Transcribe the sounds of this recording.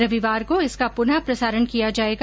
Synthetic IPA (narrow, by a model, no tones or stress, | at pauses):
ɾɐʋiʋaːɾkoɪskapʊnapɾɐsaːɾənkijad͡ʒaːeːɡ